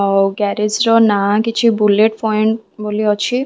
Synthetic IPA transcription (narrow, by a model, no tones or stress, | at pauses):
ɔwɡɛɾed͡ʒɾɔnakit͡ʃʰibuleʈpʰɔjɳʈboliɔt͡ʃʰi